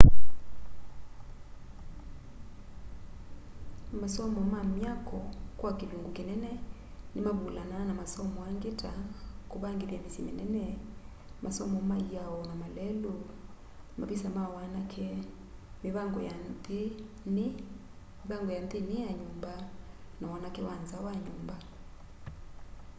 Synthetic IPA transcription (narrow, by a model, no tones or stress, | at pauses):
masɔmɔmamjakɔkwakeluŋɡokenɛnɛ | nemaβulananamasɔmɔaŋɡetakoβaŋɡeβjamesimenɛnɛ | mʔasɔmɔmaiaɔnamalɛlu | maβisamawanakʰe | meβaŋɡɔjanðe | n | meβaŋɡɔjandenijaɲumbanawanakewanzawaɲumba